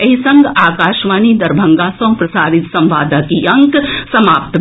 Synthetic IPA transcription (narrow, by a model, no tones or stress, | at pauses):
ɐɦisɐ̃ŋɡaːkaːʃʋaːnid̪ɐɾbʱɐ̃ŋɡasõːpɾɐsaːɾɪt̪sɐ̃mʋaːd̪akiɐ̃ŋksɐmaːpt̪